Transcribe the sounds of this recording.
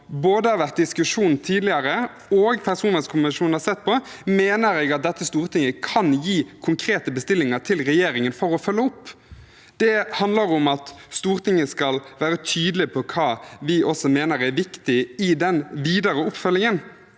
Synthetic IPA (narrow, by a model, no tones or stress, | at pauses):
boːd̪əhɑːɾʋæʁt̪̚d̪ɪskʉʂuːnnt̪ʰiːd̪lɪɑɾə | oːɡpʰæʁsuːnɛskʰʊmɪʃuːn̩hɑɾsɛt̪ːpʰɔmeːnəɾɛːɡɑt̪̚d̪ɛt̪ːəst̪uːʁt̪ʰɪŋːəkʰɑnjiːkʰʊŋkʰɾeːt̪əbəst̪ɪlːɪŋəʁt̪ʰɪlɾɛjeːɾɪŋənfɔɾɔfœlːəʊpː | d̪̥ɛhɑnd̪ləɾʊmɑt̪st̪uːʁt̪ʰɪŋːəskɑlʋæːɾət̪ʰyːd̪əlɪpʰɔkʰɑːʋɪʔɔsɔmeːnəɾæʋɪkt̪ɪɪd̪ɛnʋiːd̪əɾəʊpːfœlːɪŋən